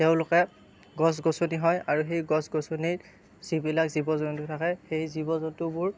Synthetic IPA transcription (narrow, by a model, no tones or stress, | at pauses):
tɛʊ̃lʊkɛ | ɡɔsɡosoniɦɔjaɹuxejɡɔsɡosoniɹ | z̥ibilakzibɔzɔntʊtʰakɛxejzibɔzɔntʊbʊɹ